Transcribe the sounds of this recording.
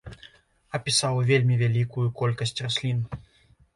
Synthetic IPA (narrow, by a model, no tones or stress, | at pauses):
ɐpʲisawvʲelʲmʲivʲalʲikujukɔlʲkɐsʲt͡sʲrasʲlʲin